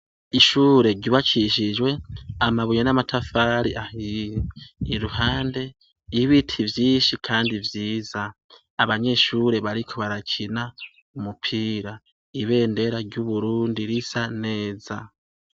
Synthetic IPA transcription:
iʃuːɾe̞ɟuβat͡ʃiʃid͡ʒwe̞amaβujonamatʰafaːɾiʔahiː | ɾuhaːnde̞ | iβitʰivjiːnʃikʰaːndivjiːzaː | βaɲe̞ʃuːɾe̞βaɾikʰo̞βaɾacʰina | umupʰiːɾa | iβe̞ːnde̞ɾaɾɟuβuɾuːndiɾisane̞ːza

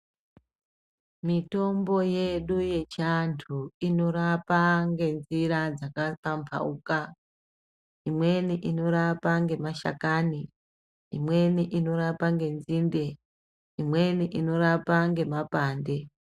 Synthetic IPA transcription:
mito̞mbo̞je̞ɗuje̞t͡ʃantʰuino̞ɾapaŋɡe̞nziɾad͡zakapampʰa̰uka | imwe̞niʔino̞ɾapaŋɡe̞maʃa̰kaːni | imwe̞niʔino̞ɾapaŋɡe̞nzinde̞ | imwe̞niʔino̞ɾapaŋɡe̞mapaːnde̞

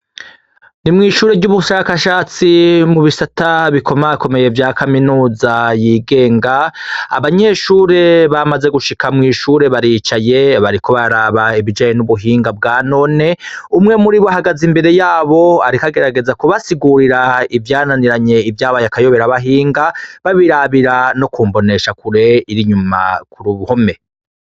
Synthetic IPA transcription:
nimŋiːʃuːɾevɟuβuʃakaʃaːt͡simuβisataβikʰo̞mako̞me̞je̞vjaːkʰaminuːzajiːɡe̞ːŋɡaa̰βaɲe̞ʃuːɾe̞βamaze̞ɡuʃikamŋiːʃuɾe̞βaɾit͡ʃaje̞βaɾikʰo̞βaɾaβaiβid͡ʒaːjenuβuɦiːŋɡabɡaːno̞ːne̞umŋe̞muɾiβoaɦaɡazimbe̞ɾe̞jaːβo̞aɾikaɡe̞ɾaɡe̞zakoβasiɡuɾiɾaivjaːnaniɾaɲe̞ivjaːβajakajo̞βe̞ɾaβaɦiːŋɡaβaβiɾaβiɾano̞kuːmbo̞ne̞ʃakuɾe̞iɾiɲuma̰kuɾuβuhome̞

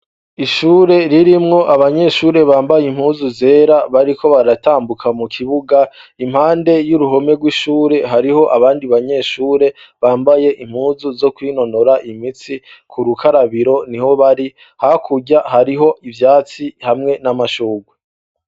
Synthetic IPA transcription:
iʃuːɾe̞ɾiɾimŋo̞ʔaβaɲe̞ʃuːɾe̞βaːmbajim̥huːzuze̞ːɾaβaɾikʰo̞βaɾataːmbukʰamukʰiβuɡa | im̥haːnde̞juɾuɦo̞me̞ɡwiʃuːɾe̞ɦaɾiɦo̞ʔaβaːndiβaɲe̞ʃuːɾe̞ | βaːmbaje̞ʔim̥huːzuzo̞kwino̞no̞ɾaʔimit͡sikʰuɾukʰaɾaβiɾo̞niho̞βaɾi | hakʰuɟahaɾiɦo̞ʔivjaːt͡sihamŋe̞namaʃuːɡwe

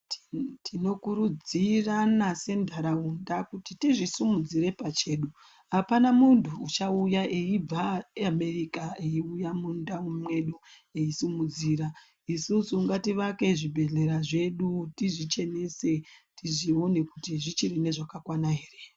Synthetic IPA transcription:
tino̞kuɾud͡ziranase̞ndʱaɾaundakutitiʐisumud͡ziɾe̞pat͡ʃe̞ːɗu | apanamuntʰuːt͡ʃaujaʔeib͡vaame̞rikaeiujamundaumwe̞ɗu | eisimud͡ziːɾa | isusuːŋɡatiʋake̞ʐibʱe̞ɮe̞ɾaʐe̞ɗutiʐit͡ʃe̞nese̞tiʐio̞ne̞kutiʐit͡ʃirine̞ʐakakwanaɦeːre

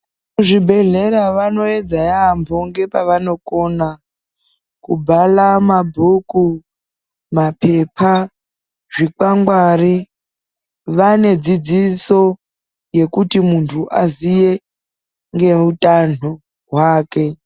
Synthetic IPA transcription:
uʐibʱe̞ɮe̞ɾaʋano̞e̞d͡zajambʱo̞ŋɡe̞paʋano̞ko̞na | kubʱalamabʱuku | mapʰe̞pʰa | ʐik͡paŋɡwari | ʋane̞d͡zid͡ziso̞ | je̞kutimuntʰuʔazije̞ | ŋɡe̞utano | ɦwaːke̞

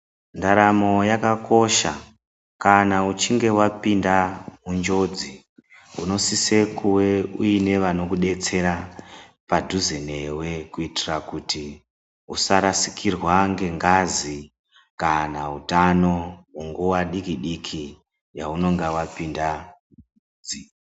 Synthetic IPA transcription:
ndaɾamo̞jakako̞ʃa | kanaut͡ʃiŋɡe̞wapindamund͡ʒo̞d͡zi | uno̞sisekuwe̞uine̞ʋano̞kuɗe̞t͡se̞ɾapadʱuzenewe̞kuitirakuti | usaɾasi̥kirwaŋɡe̞ŋɡazi | kanautano̞wuŋɡuwaɗikiɗikʰi | ja̰uno̞ŋɡewapinda | ud͡zi

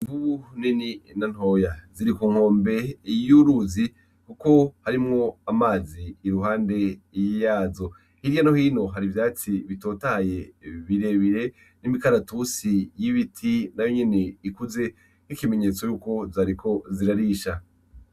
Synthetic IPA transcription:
vuunininan̥ho̞jaziɾikuːŋ̥ho̞ːmbe̞juɾuzi | kuko̞haɾimŋo̞amaːziːɾuɦaːnde̞jijaːzo̞ | hiɾjonahiːno̞ɦaɾivjaːt͡siβito̞ːtaje̞βiɾe̞βiɾe̞ | nimikaɾatusijiβitʰinajo̞ɲe̞ne̞ikuze̞ | hikime̞ɲe̞ːt͡so̞juːko̞zaːɾikʰo̞ziɾaɾiːʃa

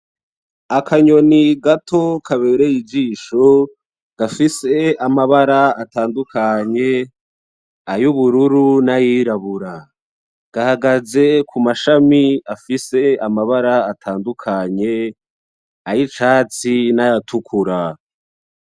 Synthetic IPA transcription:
akʰaɲo̞niɡatʰo̞kʰaβeɾejid͡ʒiːʃo̞ | ɡ̥afise̞amaβaɾaataːndukʰaɲe̞ | ajuβuɾuɾunajiːɾaβuɾa | ɡ̥ahaɡaze̞kʰumaʃamiafise̞amaβaɾaːtʰaːndukʰaɲe̞ | ajit͡ʃaːt͡sinajatʰukʰuɾa

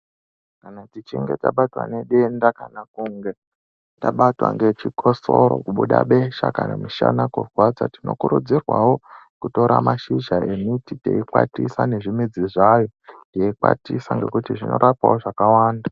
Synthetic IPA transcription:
kanatit͡ʃiŋɡe̞taɓatwa̰ne̞ɗe̞ndakanakuŋɡe̞ | taɓatwa̰ŋɡe̞t͡ʃikʰo̞soɾo̰kuɓuɗaɓe̞ʃakanamiʃa̰nakurwad͡zatino̞̰kuɾud͡zirwawo̞ | kuto̞ɾamaʃiʒae̞mititḛikwa̰tisane̞ʐimid͡ziʐajo̞ndeikwa̰tisaŋɡe̞kutiʐino̞̰ɾʔapawoʐakawaːnda

